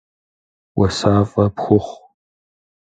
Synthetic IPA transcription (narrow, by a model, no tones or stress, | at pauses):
wʔɐsaːfʼɐpxʷʊχʷ